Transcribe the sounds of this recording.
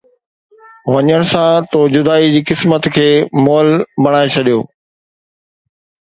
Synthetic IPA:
ʋɐɲəɽ̃sãt̪od͡ʑʊd̪aːid͡ʑiːkɪsmət̪kʰeːmɔːlbɐɽ̃aːet͡ɕʰɐɗijo̰ː

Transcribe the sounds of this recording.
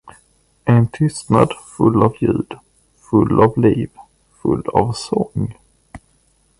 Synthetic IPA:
ɛnt̪ʰʏst̪na̰d̪fɵlːavjʉ̟ːd̪̥ | fɵlːavliːv | fɵlːa̰vsɔŋ

